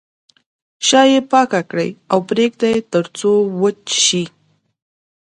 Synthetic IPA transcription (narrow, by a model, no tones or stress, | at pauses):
ʃɑjepɑkakɽə̰jawpɾek̚d̪ajet̪əɾt͡sowət͡ʃʃi